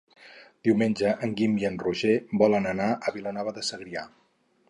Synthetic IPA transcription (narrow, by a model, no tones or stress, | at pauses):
d̪̥iwmenʲd͡ʒəʔəŋɡimbjənruʒebɔlənənaʔəβilonɔβəðəsəɣɾia